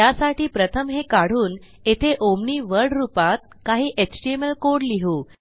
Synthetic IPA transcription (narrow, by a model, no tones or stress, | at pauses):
jasaʈiːpɾət̪ʰəmɦekaɽ̤uːn | et̪ʰeʔomɳiːʋəɾɽɾupat̪̚kaɦiːʔeksʈieməlkoɽliɦu